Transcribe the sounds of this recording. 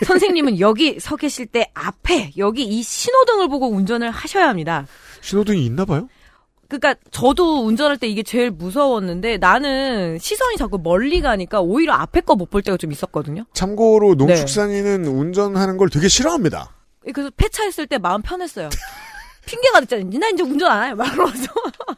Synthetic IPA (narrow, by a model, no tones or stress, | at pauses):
sʰʌns̬ʰe̞ŋɲimɯnjʌɡisʰʌɡeɕʰiɭt͈e̞apʰe̞jʌɡiːɕʰinodɯŋɯɭboɡound͡ʑʌnɯɭhaɕʰʌjaɦamɲida | ɕʰinodɯŋiːnːabajo | kɯk͈at͡ɕʌdound͡ʑʌnɦaɭt͈e̞iɡe̞t͡ɕe̞ɭmusʰʌwʌnːɯnde̞nanɯnɕʰisʰʌɲit͡ɕak͈umʌʎːiɡaɦaɲik͈aoiɾjʌa̰pʰe̞k͈ʌmopʰɯɭt͈e̞dot͡ɕomis͈ʌt̚k͈ʌdɯɲot͡ɕʰamɡoɾonone̞t͡ɕuk̚s͈aŋinɯnund͡ʑʌnɦanɯnɡʌɭtwe̞ɡe̞ɕʰiɾʌɦamɲida̰ | ekɯɾesʰʌpʰe̞t͡ɕʰaɦes͈ɯɭt͈e̞maɯmpʰjʌnɦe̞s͈ʌjo | pʰiŋɡe̞ɡadet̚t͡ɕ͈anad͡ʑinaind͡ʑeund͡ʑʌnanajomakɯad͡ʑo